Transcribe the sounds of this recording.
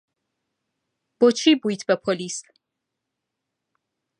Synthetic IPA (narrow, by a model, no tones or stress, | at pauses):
b̥ɔt͡ʃʰibujt̪ʰbɛpʰɔlis